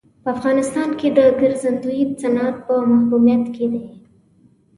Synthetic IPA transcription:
pəafɣɑnɪst̪ɑnked̪əɡəɾzand̪uit͡sanat̪̚pəmahkumijat̪ked̪e

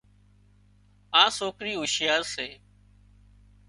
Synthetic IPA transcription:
ãːsoːkɾiːɦʊʃjaːɾseː

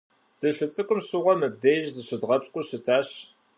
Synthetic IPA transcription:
d̥ɨɬɨt͡sʼɨkʷʼʊmsuʁʷɐmɨb̚dɐjɪʒzɨsɨdʁɐpskʷʼʊsɨtʰaːɕ

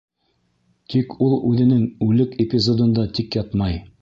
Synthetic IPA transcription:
t̪ʰikulˠʉðɘ̆nɘŋʉlɘkepʲɪzod̪ŏnd̪ɑt̪ikjɑt̪mɑj

